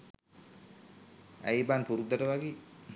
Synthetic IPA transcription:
æ̰jbanpuɾud̪aʈəʋaɡi

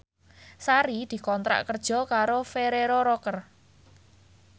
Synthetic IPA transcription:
saɾid̪̥i̤kɔnt̪ɾa̰ʔkərd̥ʒ̥ɔ̤kaɾofeɾeɾoɾɔkər

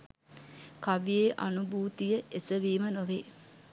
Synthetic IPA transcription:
kaʋijeːʔa̰nubuːt̪ijəʔesəʋiːmənoʋeː

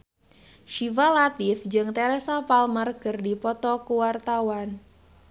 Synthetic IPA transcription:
ʃivalat̪ifd͡ʒɨŋt̪ɛɾɛsapalmərɡɨrdipɔt̪ɔkuwart̪awan

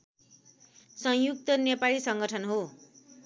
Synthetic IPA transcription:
sʌ̃ŋjuk̚t̪ʌnepalisʌŋɡʌʈʰʌnɦo

